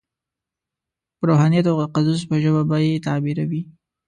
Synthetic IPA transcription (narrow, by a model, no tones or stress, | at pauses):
pəɾoɦɑnijt̪oɣd̪əqazus̬pəʒəbabɑjet̪ɑbiɾawi